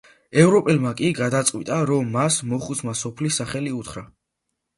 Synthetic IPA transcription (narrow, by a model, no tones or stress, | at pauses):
ɛvɾɔpʼɛlmakʼiɡad̪at̪sʼwḭt̪ʼaɾɔmːasmɔχusmasɔpʰlisːaχɛliut̪ʰχɾa